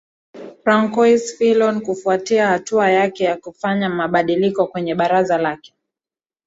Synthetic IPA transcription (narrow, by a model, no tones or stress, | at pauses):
fɾaŋkɔjsfilɔnkufuatiahatuajakɛjakufaɲamaɓaɗilikɔkwɛɲɛɓaɾazalakɛ̥